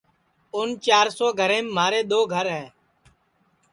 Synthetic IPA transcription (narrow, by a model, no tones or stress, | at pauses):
ʊnt͡ʃaːɾsoːɡʱəɾẽːmːmaːɾeːɗ̪oːɡʱəɾɦɛː